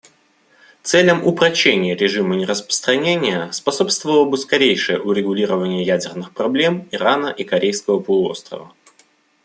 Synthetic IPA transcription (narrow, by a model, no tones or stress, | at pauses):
t̪sɛlʲəmʊpɾɐɕːenʲɪjəɾʲɪʐɨmənʲɪɾəspə̥st̪ɾɐnʲenʲɪjəspɐso̞pst̪vəlˠəbɨskɐɾʲejʂɨjə̰ʔʊɾʲɪɡʊlʲiɾəvənʲɪjəjædʲɪrnɨxpɾɐblʲe̞miɾanəʔikɐɾʲʔejskəvəpəlˠʊo̞̰st̪ɾə̰və̰